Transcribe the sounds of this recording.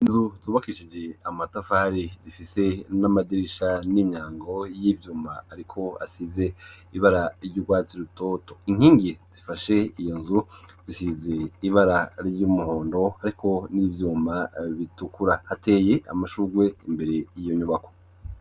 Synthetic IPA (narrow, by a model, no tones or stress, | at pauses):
inzutuːβakiʃid͡ʒe̞amatafaːɾizifise̞namadiɾiʃanimɲaːŋɡo̞jivjuːmaːɾikʰo̞a̰size̞ | iβaɾaɾɟuɡwaːt͡siɾutoto̞iŋ̥iːŋɡiz̥ifaʃe̞ijo̞nzu | z̥isize̞iβaɾaɾjumuho̞ːndo̞haɾikʰo̞nivjuːmaβitukuɾahate̞ːje̞a̰maʃuːɡwe̞imbe̞ɾe̞jijoɲuβako̞̥